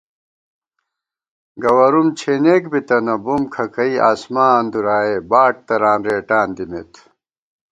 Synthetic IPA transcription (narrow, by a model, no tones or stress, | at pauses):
ɡɐwɐɾumt͡ɕʰeːneːkbit̪ɐnɐbumkʰɐkɐiaːsmaːnd̪uɾaːebaːʈ̚t̪ɐɾaːnɾeːʈaːnd̪imet̪ʰ